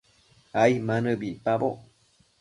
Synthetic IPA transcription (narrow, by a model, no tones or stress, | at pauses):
aimanɨbipabo